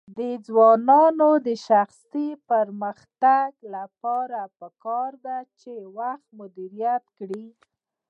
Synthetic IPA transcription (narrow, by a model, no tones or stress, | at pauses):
d̪əd͡zwɑnɑnod̪əʃaxsipəɾməxt̪aɡlapɑɾapəkɑɾd̪at͡ʃewaxt̪mʊd̪iɾijat̪kɽi